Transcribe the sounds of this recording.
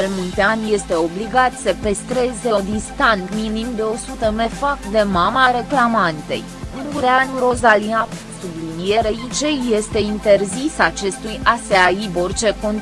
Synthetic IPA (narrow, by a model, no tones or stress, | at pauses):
ɾmult̪eanʲje̞st̪e̞o̞bliɡat̪səpest̪ɾe̞ze̞od̪ist̪ant̪minimd̪e̞o̞sut̪əme̞fakd̪e̞mamaɾe̞klamant̪e̞̰j | unuɾeanuɾo̞zaliap | sublinijeɾeit͡ʃejje̞st̪e̞int̪e̞rzisat͡ʃe̞st̪ujaseaibo̞rt͡ʃe̞ko̞n